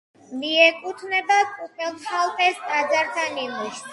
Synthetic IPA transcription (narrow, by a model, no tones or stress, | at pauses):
miɛkʼut̪ʰnɛbakʼut̪ʼɛlˠʃalˠpʼɛst̪ʼad̪zaɾt̪ʰaninuʃ